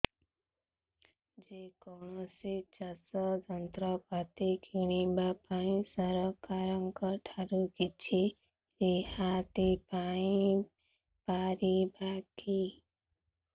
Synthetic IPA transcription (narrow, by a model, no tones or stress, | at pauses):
d͡ʒekɔɳ̃ɔsit͡ʃasɔd͡ʒɔnt̪ɾɔpat̪ikʰiɽ̃ibapaĩsaɾɔkaɾɔŋkɔʈʰaɾukit͡ʃʰi | ɾehat̪ipaĩ | paɾibaki